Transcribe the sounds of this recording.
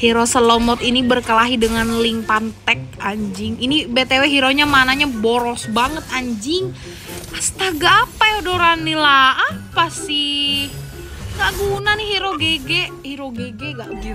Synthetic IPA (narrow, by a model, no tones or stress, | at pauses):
hiɾosəlomɔt̪inibərkəlaɦidəŋanliŋpant̪ɛk̚aɲd͡ʒɪŋinibet̪eweɦiɾoɲamanaɲaboɾɔsbaŋət̪̚aɲd͡ʒɪŋ | ast̪aɡaːpajodoɾanːilaːpasi | ŋɡaʔɡunanɪhiɾoɡeɡɛ | hiɾoɡeɡɛŋɡaʔɡu